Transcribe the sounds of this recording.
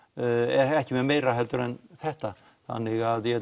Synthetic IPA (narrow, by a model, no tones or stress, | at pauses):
ɛɾɛhcɪmɛmejɾaɦɛlt̪ʏɾɛnθɛht̪a | θa̰nːɪɣaðjɛ